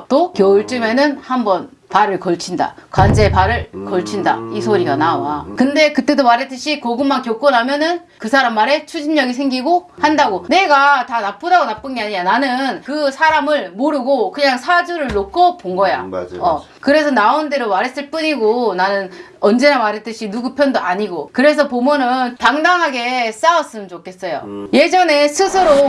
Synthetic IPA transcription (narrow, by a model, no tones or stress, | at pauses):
t͈okjʌɯɭt͡ɕ͈ɯme̞nɯnhambʌn | paɾɯɭkʌɭt͡ɕʰinda̰kwand͡ʑepaɾɯɭkʌɭt͡ɕʰinda̰isʰoɾiɡanawakɯnde̞kɯt͈e̞domaɾɦe̞t͈ɯɕʰikoɡɯmːankjok͈onɦamjʌnɯn | kɯsʰaɾamːaɾe̞t͡ɕʰud͡ʑinɲʌɡis̬ʰe̞ŋɡiɡo | handaɡone̞ɡatanap͈udaɡonap͈ɯnɡeaɲijananɯnkɯsʰaɾamɯɭmoɾɯɡokɯɲaŋsʰad͡ʑuɾɯɭnokʰʌpoŋɡʌja̰ʌ | kɯɾe̞sʰʌnaondeɾomaɾɦe̞s͈ɯɭp͈uɲiɡonanɯn | ʌnd͡ʑe̞namaɾɦet͈ɯɕʰinuɡupʰjʌndoʔaɲiɡokɯɾe̞s̬ʰʌpomunɯnpaŋdaŋɦaɡe̞s͈aʌs͈ɯmɯnt͡ɕokʰe̞s͈ʌjo̰je̞d͡ʑʌne̞sʰɯsʰɯɾo